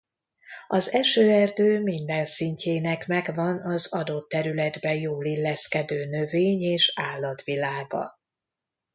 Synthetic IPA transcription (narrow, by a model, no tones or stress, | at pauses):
ɒzɛʃøːɛrd̪øːmind̪ɛnsiɲcʰeːnɛkmɛɡvɒnɒzɒd̪o̞t̪ːɛɾylɛd̪bɛjoːlilːɛskɛd̪øːnø̞veːɲeːʃaːlːɒt̪ʋilaːɡɒ̰